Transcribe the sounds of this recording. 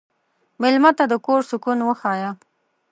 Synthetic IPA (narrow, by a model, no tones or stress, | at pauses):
mɪlmat̪ad̪əkoɾsʊkunwəxɑja